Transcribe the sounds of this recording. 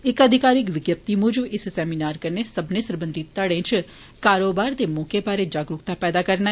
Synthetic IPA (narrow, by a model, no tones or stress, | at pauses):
ɪkəd̪ʱikaɾɪkʋɪɡjəp̚t̪imʊd͡ʒəbɪssɛminaːɾkəɾnesəbnesəɾbənd̪ʱit̪əɽẽt͡ʃʰ | kaɾobaɾt̪emokebʱaɾed͡ʒaːɡɾukt̪apɛːd̪akəɾna